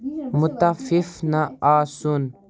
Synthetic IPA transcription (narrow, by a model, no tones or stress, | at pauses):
mʊt̪afifnaaːsun